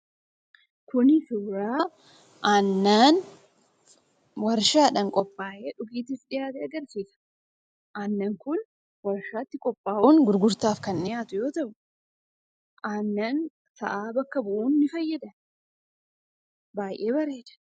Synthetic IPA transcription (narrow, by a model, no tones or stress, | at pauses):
kʊnɪsʊbɾaː | ʔaːnːaːn | wɐɾʃaːᶑɐŋkʼɔpʼːaːʔe̞ːᶑʊɡiːt̪ɪsᶑɪjaːt̪ɛːɐɡɐɾsiːsɐ̥ | ʔanːɐŋkʊn | wɐɾʃaːt̪ːɪkʼɔpʼːaːʔʊːnɡʊɾɡʊɾt̪aːfkɐnːɪjaːt̪ʊjo̞ːt̪ɐʔʊ | ʔanːɐn | sɐ̰ʔaːbɐkːɐbʊʔuːnːɪfɐjːɐd̪ɐn | baːjʔe̞ːbɐɾe̞ːd̪ɐ̥